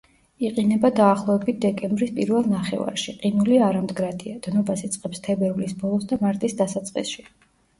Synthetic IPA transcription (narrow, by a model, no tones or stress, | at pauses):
iqʼinɛbad̪aːχlˠɔvɛbit̪̚ʰd̪ɛkʼɛmbɾispʼiɾvɛlˠnaχɛ̰va̰ɾʃiqʼinuliaɾamd̪ɡɾad̪iad̪̥nɔbasit̪sʼqʼɛpst̪ʰɛbɛɾulisbɔlˠɔsd̪amaɾt̪ʼisd̪asat̪sʼqʼḭsʃi